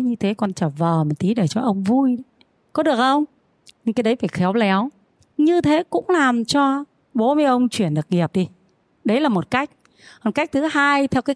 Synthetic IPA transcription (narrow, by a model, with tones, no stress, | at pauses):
ɲɨ˧t̪ʰe˨˦kɔ˧˩nt͡ɕəː˧˩vəː˨˩mə˨˩t̪i˨˦ɗe˧˩t͡ɕɔ˧ʔə˧wŋ͡mvu˧j | kɔ˨˦ɗɨ˨˩ək̚ʔə˧wŋ͡m | ɲɨ˧ŋkaː˨˦jɗə˨˦jfaː˧˩jxɛ˨˦wlɛ˨˦w | ɲɨ˧t̪ʰe˨˦kʊ̰˧˥ŋ͡mlaː˨˩mt͡ɕɔ˧ | ɓo˨˦mi˨˧˦ʔə˧wŋ͡mt͡ɕwi˧˩ənɗɨ˨˩ək̚ŋi˨˩əp̚ɗi˧ | ɗə˨˦jlaː˨˩mo˨˩t̚ka˦˥jk̟̚ | hɔ˨˩nka˦˥jk̟̚t̪ʰɨ˨˦haː˧jt̪ʰɛ˧wkaː˨˦